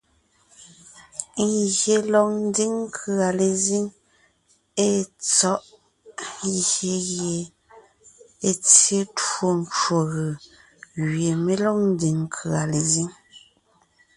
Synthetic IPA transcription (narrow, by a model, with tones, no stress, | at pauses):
ŋ˦ɣje˨lɔ˨ŋ̚n̩˦di˦ŋŋ˦kʰɰa˨le˨zi˦ŋ | e˦t͡sɔ˦ʔ | je˨ɣje˨ | e˨t͡sje˦to˨n˦t͡ʃo˨ɣɯ˨ | ɣɥje˨me˦lɔ˦ŋ̚n̩˦di˨ŋ˦kʰɯ˨a˨le˨zi˦ŋ